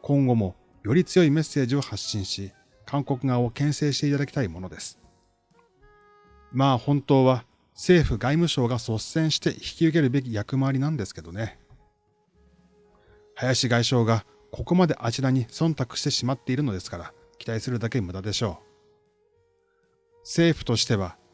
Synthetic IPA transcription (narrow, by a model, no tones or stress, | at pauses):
kõ̞ŋɡo̞mo̞ | jo̞ɾʲit͡sɨjo̞ime̞sːe̞ːʑio̞haɕːĩɰ̃ɕi | kʰãŋko̞kɯ̟ɡao̞kẽ̞ɰ̃se̞ːɕi̥t̪e̞it̪ad̪akʲi̥t̪aimo̞no̞d̪e̞sɨ̥ | maːhõ̞nt̪o̞ːβa | se̞ːɸɯ̟ɡaimɯ̟ɕo̞ːɡaso̞sẽ̞ɰ̃ɕi̥t̪e̞çi̥kʲiɯ̟k̬e̞ɾɯ̟be̞k̬ʲijakɯ̟maβaɾʲinãnd̪e̞sɨ̥ke̞d̪o̞ne̞ | hajaɕiɡaiɕo̞ːɡa | kʰo̞ko̞mad̪e̞ʔat͡ɕid̪aɲ̟isõ̞nt̪akɯ̟̥ɕi̥t̪e̞ɕimat̪ːe̞iɾɯ̟no̞d̪e̞sɨ̥kaɾa | kʲi̥t̪aisɨɾɯ̟d̪ake̞mɯ̟d̪ad̪e̞ɕo̞ː | se̞ːɸɯ̟̥t̪o̞ɕi̥t̪e̞β̞a